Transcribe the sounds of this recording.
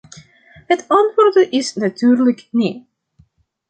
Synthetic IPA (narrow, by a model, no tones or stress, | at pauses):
hətɑntʋoːrdəʔɪsnatyːrləkni